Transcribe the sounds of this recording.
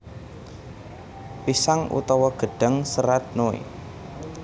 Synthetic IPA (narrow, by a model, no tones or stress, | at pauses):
pisaŋṵt̪ɔwɔɡ̥ə̤ɖ̥ə̤ŋsəɾat̪̚noḛ